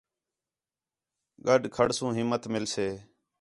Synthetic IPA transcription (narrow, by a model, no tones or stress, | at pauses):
ɡəɗkʰəɽsũːɦɪmːət̪mɪlseː